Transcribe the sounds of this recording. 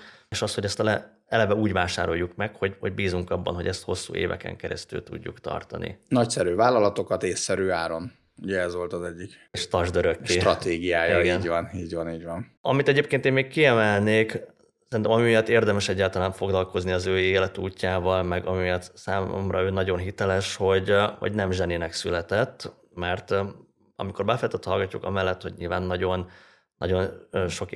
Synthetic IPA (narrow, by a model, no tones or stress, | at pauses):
eʃɒsho̞ɟɛst̪lɛ | ɛlɛvɛuːɟvaːʃa̰ːɾo̞jːukmɛkho̞ɟho̞̰ɟ̚biːzuŋkɒbːɒ̰nɦo̞ɟɛst̪ho̞sːṵːʔḛːvɛ̰kɛ̰ŋkɛɾɛ̰st̪y̰lt̪ṵɟːṵkt̪ɒ̰rt̪ɒ̰nḭnɒcsɛɾyːvaːlːɒlɒt̪o̞kɒt̪eːsːɛɾyːaːɾo̞n | uɟɛɛzʋo̞lt̪ɒzɛɟːik | ʃt̪ɒʒd̪øɾøkːeːɾɒt̪eːɡijaːjɒiɛnɟvɒniːɟvɒniːɟʋɒn | ɒ̰mit̪ɛɟeːp̚keːnt̪eːnmeːkkːiɛmɛlneːk | sɛɾint̪ɛmɒmimijɒt̪ːeːrd̪ɛmɛʃɛɟːaːlt̪ɒlaːɱfo̞ɡlɒlko̞zniɒzøːeːlɛt̪uːcːaːvɒlmɛɡɒmijɒt̪ːsaːmo̰mrɒ̰øːnɒɟo̞nɦit̪ɛlɛʃho̞ɟho̰ɟnɛmʒɛninɛksylɛt̪ɛt̪ː | mɛrt̪ | ɒ̰miko̞rbɛfɛlɛjt̪ɛt̪ːhɒlɡɒcːukɒ̰mɛlːɛt̪ho̞̰ɟɲḭlvaːnːɒɟo̞nː | ɒ̰ɟo̞nøʃo̞k